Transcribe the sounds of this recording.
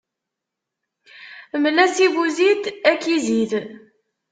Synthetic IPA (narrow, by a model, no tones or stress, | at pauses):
mlæsivuzit̪ækːizið